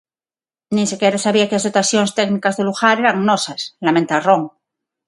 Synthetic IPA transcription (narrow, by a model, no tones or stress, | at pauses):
nĩnsekeɾosaβiakelazðot̪asjonest̪eknikazðeluɣaɾeɾaŋnosaslamẽnt̪aroŋ